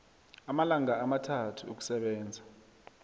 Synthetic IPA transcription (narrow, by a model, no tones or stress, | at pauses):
amalaŋaːmatʰatʰuuk̬u̥sɛɓɛːnd͡zʱa